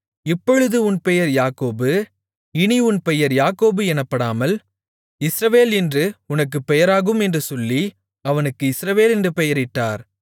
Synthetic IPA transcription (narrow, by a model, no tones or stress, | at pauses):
ɪpːɔɻɯðɯʊnpɛjɐɾjaːkoːbɯ | ɪniʊnpɛjɐɾjaːkoːbɯɛnɐpːɐɽaːmɐl | ɪsɾɐʋeːlɪndrɯʊnɐk̬ːɯpːɛjɐɾaːɣɯmɛndrɯsɔlːi | ɐʋɐnɯkːɯɪsɾɐʋeːlɪndrɯpɛjɐɾɪʈːaːɾ